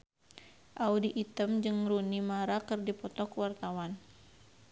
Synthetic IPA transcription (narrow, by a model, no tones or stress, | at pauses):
ʔaudiʔːt̪əmd͡ʒɨŋɾunimaɾakɨrdipɔt̪ɔkwart̪awan